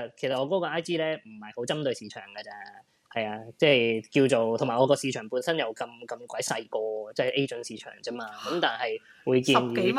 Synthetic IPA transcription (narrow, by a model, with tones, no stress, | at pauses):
kʰe˨˩sɐ˨t̚ɔː˨˧kɔː˨˥kɔː˧ʔaː˥jt̪iː˥lɛː˥m̩˨˩hɐ˨jho˨˥wt͡sɐ˥mt̪ɵ˧ɥsiː˨˧t͡ʃʰœ̰ː˨˩ŋkɐ˧t͡sɛː˥ | hɐ˨jaː˧t͡sɛː˥˩jki˧wt͡so˨wt̪ʰŋmaː˨˩ʔɔː˨˧kɔː˧siː˨˧t͡ʃʰœː˨˩ŋpu˨˧˥nsɐ˥njɐ˨˧wkɐ˧mkɐ˧mkʷwʷɐ˨˥jsɐ˧jkɔː˧t͡sɛː˥˩ʔe˥jt͡sɵ˨˥nsiː˨˧t͡ʃʰœ̰ː˨˩ŋt͡sɐ˥maː˧kɐ˨˥mt̪aː˨nhɐ˨j | wuː˨˧jkiː˧nː˨˥